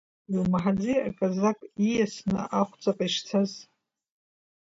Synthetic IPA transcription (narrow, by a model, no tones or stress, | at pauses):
ilmħad͡zia̰kʼazakʼijasnɨ̰ʔaχʷt͡sʼaqʼaiʂt͡sʰaz